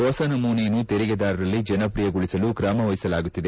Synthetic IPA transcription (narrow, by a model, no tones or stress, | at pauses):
ɔːsɐnɐmuːnejɐnːut̪eɾiɡed̪aːɾɐɾɐlːid͡ʒɐnɐpɾijɐɡuɭisɐlukɾaːmɐʋɐjisɐlaːɡut̪ːid̪e̞